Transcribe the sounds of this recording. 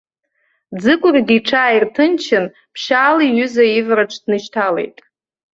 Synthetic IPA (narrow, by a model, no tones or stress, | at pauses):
d͡zɨkʷʼʊrɡʲiʈ͡ʂʰaːirtʰɨnt͡ʃʰɪn | pʰʃaːliɥʏzaivraʈ͡ʂʰdnɨʃtʰale̞̰jtʼ